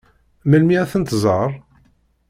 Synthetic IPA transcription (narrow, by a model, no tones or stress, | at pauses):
məlmiæθənt̪zˤəɾˤ